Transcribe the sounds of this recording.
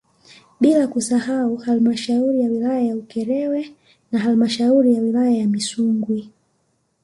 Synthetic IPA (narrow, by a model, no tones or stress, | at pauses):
ɓilakusahauhalmaʃauɾijawilajajaukɛɾɛwɛ | naɦalmaʃauɾijawilajajamisuŋɡwi